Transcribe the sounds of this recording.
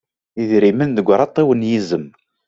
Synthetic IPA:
iðɾimənðəɡʷːɾˤɑt̪ˤːiwənjizəm

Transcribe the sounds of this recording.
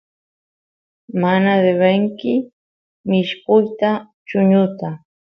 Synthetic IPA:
manad̪eβeŋkɪ | mɪʃkʊjt̪a | t͡ʃʊɲʊt̪a

